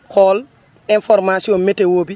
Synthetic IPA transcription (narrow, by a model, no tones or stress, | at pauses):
kɔːl | infɔɾmasiɔnmetewoːbi